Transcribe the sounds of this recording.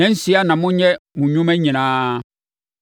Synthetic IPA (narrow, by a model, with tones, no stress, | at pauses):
ɛ̃˨˦n̩˦si˨˦a˦nã˨mʊ̃˦ɲɛ̃˦mũ˨ɲʊ̃˦mɛ̃˦ɲĩ˨nãː˦